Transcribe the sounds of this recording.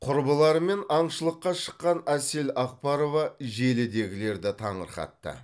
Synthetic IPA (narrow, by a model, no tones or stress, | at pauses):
qʰʊɾbəlˠɑɾme̞nɑɴʃəlˠəqːɑʃə̥qːɑnæse̞lɑq̚pɑɾo̞vɑʒe̞lɪd̪e̞ɡʲɪle̞ɾd̪ɪt̪ʰɑɴəɾχɑ̰t̪ːə̰